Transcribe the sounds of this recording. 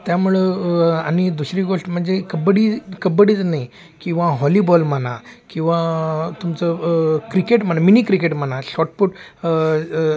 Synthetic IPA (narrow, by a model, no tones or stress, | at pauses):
t̪jamuɭeanid̪uɕɾiːɡoʂʈm̤əɳd͡zekəbɽiːkəbəɽiːt͡snaj | kĩw̃ʋaɦɔlibɔlmənakĩw̃ʋat̪umt͡səkɾikeʈm̤ənaminikɾikeʈm̤ənaɕɔʈfuʈ